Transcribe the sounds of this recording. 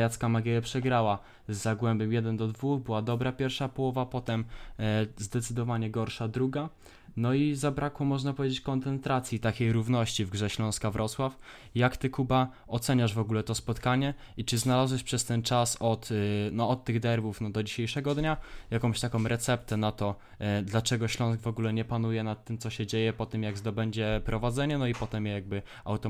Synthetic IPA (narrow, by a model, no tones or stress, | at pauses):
jat̪skamaɡʲɛjɛpʂɛɡɾawa | zːaɡwɛmbɛmjɛd̪ɛnd̪ɔd̪vuxbɘwad̪ɔbɾapʲjɛɾfʂapɔwɔvapɔt̪ɛm | zd̪ɛt̪sɘd̪ɔvaɲɛɡɔɾʂad̪ɾuɡa | nɔizabɾakwɔmɔʐnapɔvʲjed͡ʑet͡ɕkɔnt̪sɛnt̪ɾat̪sʲjit̪akʲejɾuvnɔɕt͡ɕivɡʐɛɕlɔ̃w̃skavɾʔɔswaf | jakt̪ɘkuba | ɔt̪sɛɲaʐvɔɡulɛt̪ɔspɔt̪kaɲɛ | it͡ʂɘznalazwɛʂpʂɛst̪ɛnt͡ʂasɔt̪nɔːt̪ːɘɣd̪ɛɾvufnɔd̪ɔd͡ʑiɕejʂɛɡɔd̪ɲajakɔ̃mɕt̪akɔ̃mɾʔɛt̪sɛpt̪ɛnat̪ɔ | d̪lat͡ʂɛɡɔɕlɔ̃w̃sɡvɔɡulɛɲɛpanujɛnat̪ːɘmt̪sɔɕɛd͡ʑejɛpɔt̪ɘmjaɡzd̪ɔbɛɲd͡ʑɛpɾɔvad̪zɛɲɛnɔipɔt̪ɛmjaɡ̚bɘ | awt̪ɔ